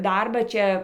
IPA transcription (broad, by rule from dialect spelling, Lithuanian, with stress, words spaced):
ˈdɐrbɑː ˈt͡ʃʲɛ